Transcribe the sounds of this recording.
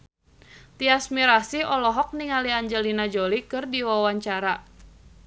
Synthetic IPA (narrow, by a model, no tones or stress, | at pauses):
t̪iasmiɾasiɔlɔɦɔk̚niŋaliaɲd͡ʒəlinad͡ʒolikɨrdiwawaɲt͡ʃaɾa